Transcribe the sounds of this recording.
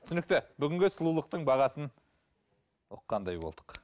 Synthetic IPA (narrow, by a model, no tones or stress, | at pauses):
t̪ʏsɪnɪkt̪ɪbʏɡʲɪŋɡʲɪsʊlˠulˠəq̚t̪əɴbɑʁɑsən | ʊ̰qːɑnd̪ɑjbo̞lˠd̪ə̥q